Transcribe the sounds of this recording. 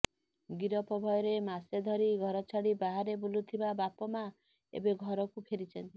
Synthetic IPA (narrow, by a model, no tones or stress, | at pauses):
ɡiɾɔpɔbʱɔjɔɾemased̪ʱɔɾiɡʱɔɾɔt͡ʃʰaɽibaɦaɾebulut̪ʰibabapɔma | ḛbeɡʱɔɾɔkupʰeɾit͡ʃʰɔnt̪i